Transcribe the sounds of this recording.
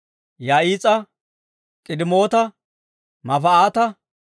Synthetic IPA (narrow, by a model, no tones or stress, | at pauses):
jaːiːt͡sʼɐ | kʼɪd̪ɪmo̞ːt̪ɐ | mɐfɐaːt̪ɐ